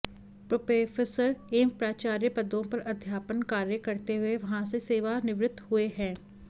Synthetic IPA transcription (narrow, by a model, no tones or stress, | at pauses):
pɾoːpeːfʰesəɾeːmpɾaːt͡ʃaːɾjəpəd̪õpɐɾəd̪ʱjaːpənkaːɾjəkəɾt̪eɦʊeʋɐɦãːseseːʋanɪʋɾɪt̪ːhʊeɦɛ̃ː